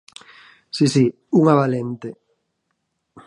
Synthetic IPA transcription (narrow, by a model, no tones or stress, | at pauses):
sisi | uŋaβalent̪e